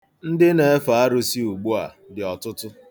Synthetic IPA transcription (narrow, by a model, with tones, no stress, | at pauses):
n̩˦dɪ˦ne˨˦fa˨a˦ɾʊ˦si˦u˨ɡ͡bu˦a̰˨ | dɪ˨ɔ˨tʊ˦tʊ˦